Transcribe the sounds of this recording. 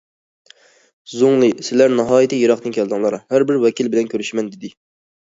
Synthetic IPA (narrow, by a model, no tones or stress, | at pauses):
zoŋlˠɨsɪlæɾnɑɦɑːjit̪ʰɪjeɾɑχd̪ɨnkʲʰɛld̪ɨŋlˠɑɾɑhæɾbɪɾwɛkʲilbɪlɛnkʲʰøɾyʃmɛnd̪ɪd̪ɪ